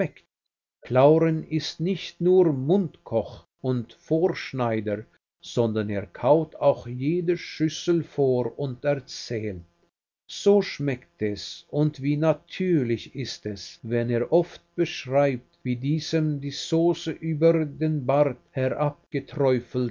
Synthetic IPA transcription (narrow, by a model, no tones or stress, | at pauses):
ɛkt | kʰlaʊʁənɪstnɪçtnuːʁmʊntkʰɔx | ʊntfoːɾʃnaɪdəʁ | z̥ɔndɐneːʁkʰaʊtʰaʊxjeːdəʃʏsl̩foːɾʊntɛʁt͡sɛːlt | z̥oːʃmɛktɛsʔʊntv̥iːnatʰyːlɪçɪstɛsvɛneːɐʔɔft̚b̥əʃʁaɪp̚tviːdiːzəmdiːz̥oːsəʔyːbəɾdeːnbaɾdhɛʁʔap̚ɡ̥ətʁɔʏfl̩t